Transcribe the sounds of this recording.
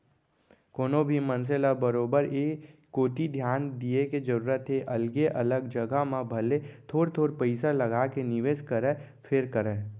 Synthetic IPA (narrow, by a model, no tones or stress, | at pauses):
koːnobʱimə̃ns̬elabəɾoːbəɾeː | oːt̪id̪ʱjaːnd̪ieked͡ʒəɾuːɾət̪ɦeʔɐlɡeʔɐləɡd͡ʒəɡamãbʱɐlet̪ʰoːɾt̪ʰoːɾpəɪsalɐɡakenɪʋeːskəɾɛ | pʰɪɾkəɾɛ̃ː